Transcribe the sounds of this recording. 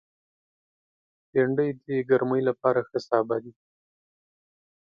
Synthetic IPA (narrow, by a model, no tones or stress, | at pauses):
peɳɖəjd̪əɡaɾməjlapɑɾaxəsɑbad̪i